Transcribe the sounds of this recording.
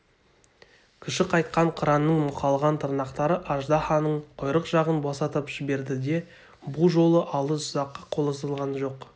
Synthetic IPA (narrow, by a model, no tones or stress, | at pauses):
kʲʰɪʃɪqʰɑjt̪̚qɑɴqʰəɾɑnːəɴmʊqʰɑlˠʁɑnt̪ʰəɾnɑqt̪ɑɾəʔɑʒd̪ɑχɑnəɴqʰojɾəqʒ̥ɑʁənbosɑt̪əpʒ̥ɪbe̞ɾd̪ɪd̪e̞ | buʒo̞lˠəʔɑlˠəsʊzɑqːɑqʰolˠəsəlˠʁɑnʒo̞q